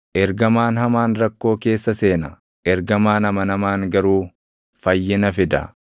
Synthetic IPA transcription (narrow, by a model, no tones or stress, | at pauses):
ʔɛɾɡɐmaːnhɐmaːnɾɐkːo̞ːke̞ːsːɐse̞ːnɐ | ʔɛɾɡɐmaːnhɐmɐnɐmaːŋɡɐɾuː | fɐjːɪnɐfɪd̪ɐ̰